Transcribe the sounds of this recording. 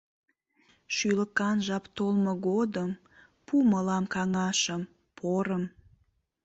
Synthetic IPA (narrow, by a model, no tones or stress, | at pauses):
ʃyləkɑnʒɑpt̪olmoɡod̪əm | puməlɑmkɑŋɑʃəm | pʰoɾəm